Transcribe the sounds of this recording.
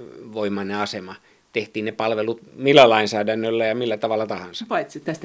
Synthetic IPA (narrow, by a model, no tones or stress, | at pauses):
ʋoimɑnːeɑsemɑ | t̪eht̪iːnnepɑlʋelut̪milːælɑinsæːdænːølːæjɑmilːæt̪ɑʋɑlːˑɑt̪ɑhɑnsɑpɑit̪sit̪t̪æst̪æ